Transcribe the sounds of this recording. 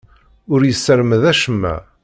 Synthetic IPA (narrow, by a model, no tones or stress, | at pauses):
ʊɾjəsːəɾməðæʃəmːæ̰